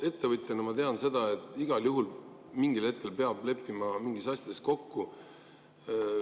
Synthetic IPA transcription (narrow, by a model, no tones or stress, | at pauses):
e̞t̪ːe̞vɤt̪ʲˑjɑnɑmɑt̪e̞ɑnse̞d̪̥ɑe̞t̪ːˑiɡ̥ɑljuɦulmiŋɡ̥ilhe̞t̪̚ke̞lpe̞ɑb̥le̞pːimɑmiŋɡisɑsʲjɑd̪̥e̞sko̞kːu